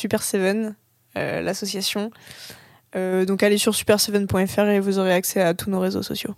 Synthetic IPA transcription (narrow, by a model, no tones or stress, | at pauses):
sypɛʁsevɛn | ø̰lasɔsjasjɔ̃ | ød̪ɔ̃kalesyʁsy̥pɛʁsevɛnpwɛ̃ɛfɛʁevuzoʁeaksɛat̪unoʁezo̰sɔ̰sjo̰